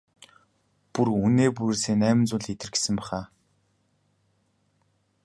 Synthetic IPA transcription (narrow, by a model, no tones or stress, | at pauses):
puruneːp̬uɾeːseːnæːmɪ̆nt͡sʊːɮxet̪ɘ̆rɡe̥sɘ̆mpæːχaː